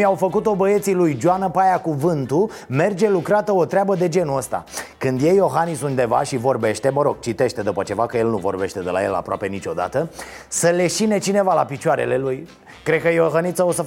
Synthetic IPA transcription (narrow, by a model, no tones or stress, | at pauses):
awfəkut̪o̞bəe̞t̪silujd͡ʒoanəpajakuvɨnt̪u | me̞rd͡ʒe̞lukɾat̪əo̞t̪ɾeabəd̪e̞d͡ʒe̞nuəst̪a̰kɨnd̪je̞jːo̞ɦanisunt̪d̪e̞va̰ʃivo̞rbe̞ʃt̪e̞məɾo̞ɡ̥̚t͡ʃit̪e̞ʃt̪e̞d̪upət͡ʃe̞vakəje̞lnuvo̞̰rbe̞ʃt̪e̞d̪e̞la̰je̞̰la̰pɾoa̰pe̞nit͡ʃo̞d̪a̰t̪əsəle̞ʃine̞t͡ʃine̞valapit͡ʃuaɾe̞̰le̞luj | kɾed̪̚kəjeoɦanit̪səosə